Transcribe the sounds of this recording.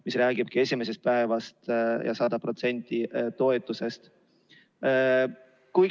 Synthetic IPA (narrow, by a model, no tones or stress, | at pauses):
misræːɡ̥ib̥̚kie̞sʲime̞sest̪̚pæevɑst̪jʔɑ̰sɑd̪̥ɑpro̞t̪se̞nʲt̪ːˑit̪o̞e̞t̪ːˑuse̞st̪ | kuj